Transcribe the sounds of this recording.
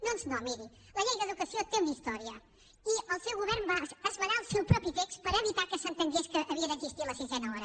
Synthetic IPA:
nõnsnõmiɾi | lˠɐʎɛɣɐðukɐsiot̪ẽmd̪iʃt̪ɔɾiɐ | iəlˠsewɣuβɛɾnbaasɐʎalˠsewpɾɔpɾit̪ekspəɾəβit̪akəsɐ̃nt̪ɐŋɡeʃkəʔːβiɐðəĩnziʃt̪iɾlɐsizɛnɐɔɾɐ

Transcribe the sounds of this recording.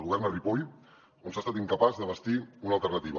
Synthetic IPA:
lɣuβɛrnəripoj | onsast̪at̪iŋkəpazðəβ̞əst̪iunəlˠt̪ərnət̪iβə

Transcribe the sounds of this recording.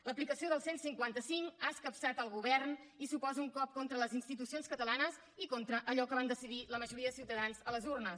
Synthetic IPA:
ləplikəsioðəlˠsensiŋkwant̪əsiŋkaəskəpsat̪əlˠɣuβɛrn | isupɔzəuŋkɔp̚kont̪ɾələzinst̪it̪usionskət̪əlanəz | ikont̪ɾəʔəʎɔkəβand̪əsiðiləməʒuɾiəðəsiwt̪əðanzələzurnəs

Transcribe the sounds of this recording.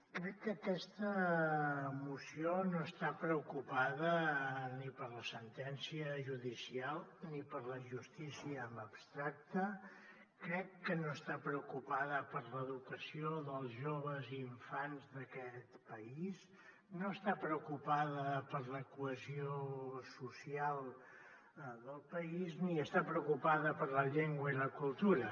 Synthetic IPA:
kɾɛkːəkɛst̪ə | musionoəst̪apɾəukupaðənipəɾləsənt̪ɛnsiəʒuðisialˠnipəɾləʒust̪isiəːməpst̪ɾak̚t̪ə | kɾɛkːənoəst̪apɾəukupaðəpəɾləːðukəsioðəlˠzʒoβəziːɱfanzðəkɛt̪pəiz | noəst̪apɾəukupaðəpəɾləkuəziosusialˠ | ðəlˠpəizniəst̪apɾəukupaðəpəɾləʎeŋɡwəiləkulˠt̪uɾə

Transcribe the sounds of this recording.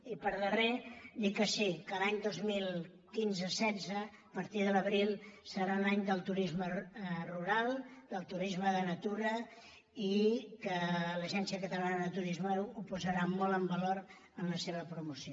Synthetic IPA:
ipəɾðəred̪ikəsikəlaɲd̪ozmilˠ | kinzəsɛd͡zə | pəɾt̪iðələβɾilˠsəɾalaɲd̪əlˠt̪uɾizməruɾalˠd̪əlˠt̪uɾizməðənət̪uɾə | ikələʒɛnsiəkət̪əlanəðət̪uɾizməuupuzəɾamɔlˠəmbəloɾ | ənləseβəpɾumusio

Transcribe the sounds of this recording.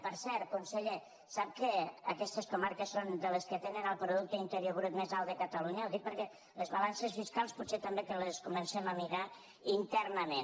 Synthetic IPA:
pəɾsɛɾ̚kunseʎe | sap̚kəːkɛst̪əskumaɾkəsːond̪ələskət̪enənəlˠpɾuðuk̚t̪əint̪əɾjoɣɾup̪̚mezalˠd̪əkət̪əluɲəwðik̚pəɾkɛ | ləzβalansəzfiskalˠsput̪set̪əmbekələskumənsɛməmiɾa | int̪ɛrnəmen

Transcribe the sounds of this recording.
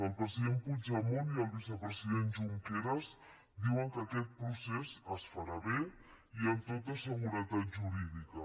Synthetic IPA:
əlˠpɾəziðempud͡ʒamoniəlˠβisəpɾəziðenʒuŋkeɾəz | d̪iwəŋkəkɛt̪̚pɾusɛzəsfaɾaβe | iəmt̪ot̪̬asəɣuɾət̪at̪ʒuɾiðikə

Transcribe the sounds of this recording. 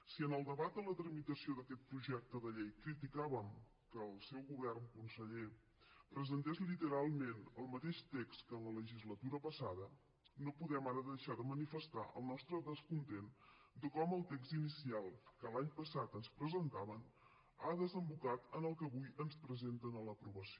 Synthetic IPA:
siənəlˠd̪əβat̪̚d̪ələt̪ɾəmit̪əsioðəkɛt̪̚pɾuʒɛk̚t̪əðəʎejkɾit̪ikaβəm | kəːlˠsɛwɣuβɛrŋkunsəʎe | pɾəzənt̪ɛzlit̪əɾalˠmenəlˠmət̪eʃt̪ekskənlələʒizlət̪uɾəpəsaðə | nopuðɛmaɾəðəʃaðəmənifəst̪aʔə̰lˠnɔst̪ɾəðəskunt̪end̪əkɔməlˠt̪ekst̪inisialˠkəlaɲpəsat̪ənspɾəzənt̪aβən | aðəzəmbukat̪ənəlˠkəβujənspɾəzent̪ənələpɾuβəsio

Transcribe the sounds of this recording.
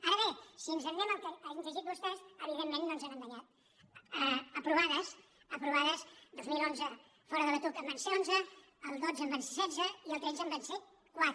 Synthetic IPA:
aɾəβesiənzənɛməlˠkənzəʒit̪̚βust̪ɛzəβiðemːẽnːonzɛməmd̪əɲat̪̚ | əpɾuβaðəs | əpɾuβaðəsd̪ozmilˠonzə | fɔɾəðəβət̪ukəmbansɛonzəː | lˠd̪od͡zəmbanssɛzəiəlˠt̪ɛnzəmbɛnsɛ | kwat̪

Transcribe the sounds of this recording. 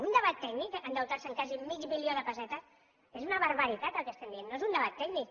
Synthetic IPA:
und̪əβat̪ːɛɡnikand̪əlˠt̪aɾsəŋkazimid͡ʒmilioðəpəzɛt̪əs | ezunəβəɾβəɾit̪at̪əlˠkəst̪ɛmd̪ienːoezund̪əβat̪ːɛɡnik

